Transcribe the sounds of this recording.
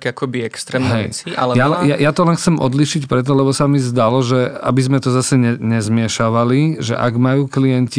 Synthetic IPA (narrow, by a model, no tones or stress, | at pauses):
kakɔbiɛkst̪ɾɛːmɦɛjt͡sia̰ljalɛjajat̪ɔlɛnxt͡sɛmʔɔ̰d̪liʃicpɾɛt̪̬ɔlɛbɔsamizd̪alɔʒɛa̰bizmɛt̪ɔzasɛɲɛɲɛzmɪɛʃaʋaliʒɛ̰ʔa̰ɡmajuːklijɛnci